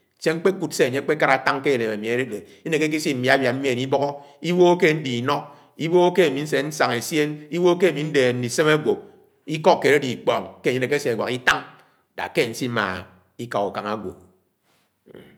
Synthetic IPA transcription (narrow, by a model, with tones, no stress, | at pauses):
se˦ŋ͡m̩˦k͡pe˦ku˨tse˦a˨ɲe˦k͡pe˦ka˦ɾa˨ta˦ŋke˦˨le˨me˨mi˨e˨˦ɾe˦de˨ | i˦ne˨ke˦k̬i˦si˦m̩˨mi˨a˦bja˨m̩˦mi˦e˨ni˦bɔ˦ɣɔ˦i˦wo˦ke˦n̩˦di˨i˨nɔ˦ | i˦wo˦ke˦e˨mi˨˦n̩˦se˨n̩˦sa˨ŋe˨sje˦ni˦wo˦ke˦˨mi˨˦n̩˦de˨n̩˦i˨se˦me˦ɡʷo˨k̚ | i˦kɔ˦kːe˨e˦di˨k͡pɔ˨ŋke˦˨e˦ne˨ke˦se˨a˨ɡwa˨ki˦ta˦ŋ | da̰˨ke˦˨n̩˦si˦ma̰˨ | i˦ka˨u˨ka˨ŋa˦˨ɡʷo̰˨